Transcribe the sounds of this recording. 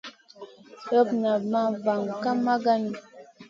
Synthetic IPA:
ɾə˦pna˨ma˦va˨ŋka˦ma˦ɡa˦ni˨

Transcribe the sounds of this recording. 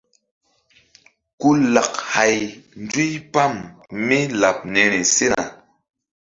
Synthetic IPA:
ku˦la˨k̚ha˨jn˦d͡zi˦jpa˦˨mmi˦la˨p̚ne˨ne˨se˦na̰˨

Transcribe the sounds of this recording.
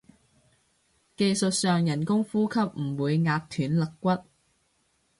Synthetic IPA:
ke˧jsɵ˨t̚sœː˨ŋjɐ˨˩nkʊ˥ŋfuː˥kʰɐ˦˥p̚m̩˨˩wuː˨˧jŋaː˧p̚t̪ʰyː˨˥nlɐ˨kːʷɐ˥t̚

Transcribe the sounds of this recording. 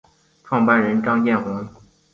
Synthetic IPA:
ʈ͡ʂʰwɑ˥˧ŋpa˥˩nɻə˧˥nʈ͡ʂɑ˥ŋjɛ˥˩nxʊ˧˥ŋ

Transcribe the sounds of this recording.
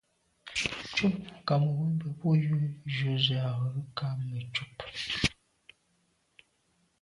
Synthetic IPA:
t͡ʃu˦˨pŋ˨ka˨mo˨wə˦bə˨bo˦ju˦ʒu˨˦ze˨a˨ɣə˨˦ka˦mə˨t͡ʃu˦p

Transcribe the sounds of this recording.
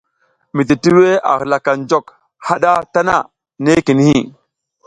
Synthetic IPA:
mi˨t̬i˨ti˦we˦a̰˨ɣla˨ka˨n˦d͡ʒo˦˨k | ha˦ɗa˦ta˦na̰˦˨ | ne˦ki˨n˦hi˦˨

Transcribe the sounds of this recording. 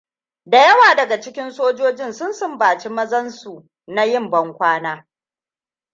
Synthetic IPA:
da˨jɐ˦waː˨dɐ˨ɡa˨t͡ʃɪ˦kʲɪ˦nsoː˦d͡ʒoː˦d͡ʒɪ˦nsʊ˦nsʊ˦mbaː˨t͡ʃi˦mɐ˦zɐ˦nsu˨ | na˦jɪ˦˨mbɐ˦ŋkʷaː˦naː˦

